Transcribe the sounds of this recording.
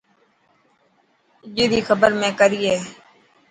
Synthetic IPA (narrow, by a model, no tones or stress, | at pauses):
d͡ʒiːɾiːxʰəbəɾmɛ̃ːkəɾiːɛː